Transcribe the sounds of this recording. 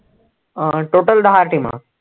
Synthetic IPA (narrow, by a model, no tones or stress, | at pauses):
ʈoʈəld̪aɦaɾʈima̰